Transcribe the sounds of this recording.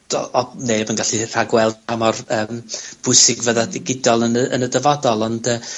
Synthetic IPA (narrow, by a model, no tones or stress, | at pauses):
ɔnebɔənɡaɬir̥aɡwɛlˠdamɔrəːmb̥ʊɨsɪɡvəðadɪɡɪdɔlˠənə̰nədəvɔdɔlˠɔndə